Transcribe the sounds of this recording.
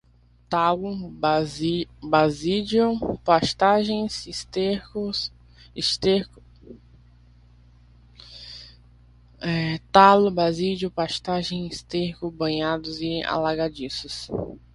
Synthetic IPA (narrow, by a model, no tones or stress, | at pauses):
t̪alʊzbazid͡ʒʊpaʃt̪aʒẽj̃sist̪ekʊs | ɪst̪ekʊ | ɛt̪alʊbazid͡ʒʊpaʃt̪aʒẽj̃ist̪ehkʊbɐ̃ɲad̪ʊzɪa̰laɡad͡ʒisʊs